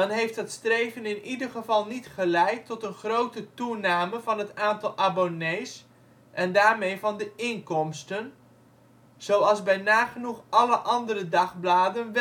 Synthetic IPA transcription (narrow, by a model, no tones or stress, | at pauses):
ɑnɦejft̚dətstrejvənɪnidərχəvɑlˠnitχəlɛjtʰːɔtənχrowtətunaːməvɑnɦətaːntɑlˠʔabonejs | ʔɛndaːɹmejvɑndəɪŋkɔmstən | z̥owɑlˠzbɛjnaːχənuχʔɑləʔɑndəɾədɑχblaːdənʋ